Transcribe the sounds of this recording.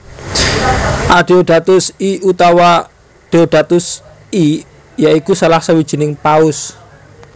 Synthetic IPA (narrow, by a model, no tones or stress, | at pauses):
ʔaɖ̥e̤oɖ̥a̤t̪ʊsiut̪awa | ɖ̥eoɖ̥a̤t̪ʊs | i | jaikusalahsawid̥ʒ̥i̤nɪŋpaʊs